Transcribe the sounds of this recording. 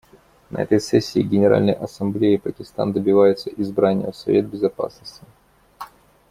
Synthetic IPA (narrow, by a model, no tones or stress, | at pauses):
nɐ̰ɛ̰t̪əjsɛsʲːɪːɡʲɪnʲɪɾa̰lʲnəjʔɐsɐmblʲejɪpəkʲɪst̪a̰nd̪əbʲɪvajʊt̪səʔɪzbɾanʲɪjə̰fsɐvʲet̪̚bʲɪzɐpa̰snəsʲtʲɪ